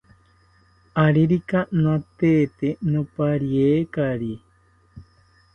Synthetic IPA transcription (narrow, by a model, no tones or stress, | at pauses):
aɾiɾikanãt̪et̪enɨ̃paɾiekaɾi